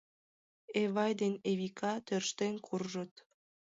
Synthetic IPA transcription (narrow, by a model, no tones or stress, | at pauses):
eβɑjd̪eneβikʰɑt̪ørʃt̪enkʰurʒət̪